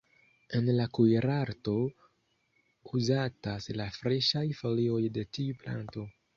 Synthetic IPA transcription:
e̞nlakujɾaɾto̞ | uzataslafɾe̞ʃajfo̞lio̞jde̞tiupla̰nto̞

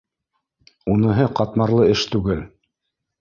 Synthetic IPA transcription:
unɤ̆ɦɤqɑt̪mɑɾlˠɤɘʃt̪ʉɡɘl

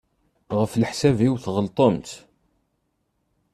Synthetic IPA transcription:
ʁəflħsæviwθʁəlt̪ˤomt̪

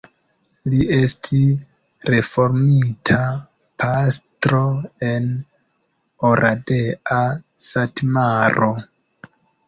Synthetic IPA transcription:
lie̞stʰis | ɾe̞fo̞ɾmitʰa | pʰastɾo̞e̞n | oɾʔade̞a | satmaɾo̞

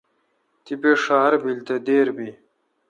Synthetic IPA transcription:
t̪ipeʂaːɾbilt̪ed̪eːɾbi

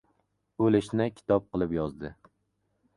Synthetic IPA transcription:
ɵlɪʃnɪkʲʰɪ̥t̪ʰɒp̚qʰɨlˠɪpjɒzd̪ɪ

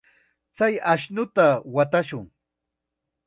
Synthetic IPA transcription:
t͡sajaʃnʊt̪awat̪aʃʊŋ

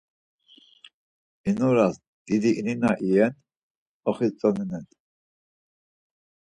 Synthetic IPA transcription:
inuɾas | d̪̥id̪iʔːninaʔijɛn | ɔχit͡sʼɔninɛn

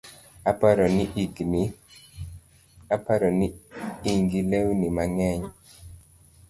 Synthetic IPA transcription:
apaɾɔniɡni | apaɾɔniiŋɡilewnimaŋɛɲ

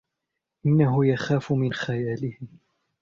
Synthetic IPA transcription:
ʔɪnːaɦʊjaxaːfʊmɪnxajaːlɪhɪ

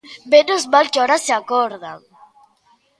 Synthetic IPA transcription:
benʊzmalkɪɔɾaseakɔɾða̰ŋ

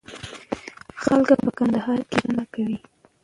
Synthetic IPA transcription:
xalkapəkand̪aɦɑɾkenanakawi

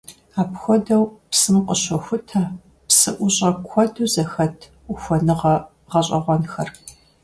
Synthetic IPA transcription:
aːpxʷɔdɐwpsɨmqʼəɕɔxʷʊtʰɐ | psɨʔʷʊɕʼɐkʷʰɔduːzɐxɐtʰ | uxʷɔnɨʁɐ | ʁɐɕʼɐ̰ʁʷɔnxɐr

